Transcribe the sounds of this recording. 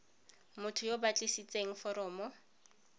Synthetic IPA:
mʊtʰʊjobat͡ɬʼisit͡sʼeŋ̩fɔɾɔːmɔ

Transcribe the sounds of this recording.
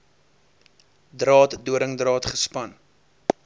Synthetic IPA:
drɑːtduəɾəŋdrɑːtχəspɐn

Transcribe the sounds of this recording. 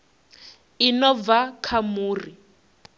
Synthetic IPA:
inɔvakʰamuːri

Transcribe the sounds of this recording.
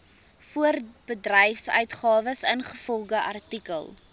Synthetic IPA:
fuərb̥ədrɛjfsœ̰ɥtχɑːvəsənχəfɔlˠχəʔɐrtikə̰lˠ

